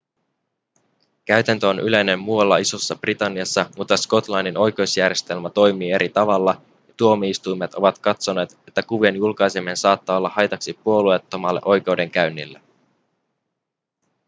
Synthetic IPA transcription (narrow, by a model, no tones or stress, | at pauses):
kæɥt̪ænt̪øonʔyle̞jne̞mːuɑlːɑiso̞sːɑb̥rit̪ɑnːiɑsːɑmut̪ːɑsko̞t̪lɑnːino̞jk̟e̞usjærje̞st̪e̞lmæt̪o̞jmiːe̞ɾit̪ɑʋɑlːɑ | jɑt̪uo̞miist̪ujmet̪o̞ʋɑt̪kɑt̪so̞ne̞ːt̪e̞t̪ːækuʋienjulkɑjsemensɑːt̪ːɑːo̞lːɑhɑjt̪ɑksipuo̞lue̞t̪ːo̞mɑlːe̞̰ʔo̞jke̞wde̞ŋkæɥnːilːe